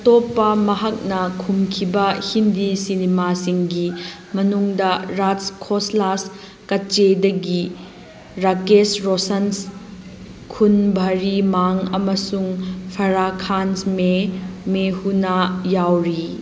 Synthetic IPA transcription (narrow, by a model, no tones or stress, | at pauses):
ɐtopːɐmɐɦɐk̚nɐkʰumkʰibɐhindisinemasiŋɡi | mɐnuŋdɐɾaskʰoslas | kɐt͡ʃedɐɡi | ɾakesɾosɐns | kʰunbʱɐɾimaŋɐmɐsuŋpʰɐɾakʰansmemehunajawɾi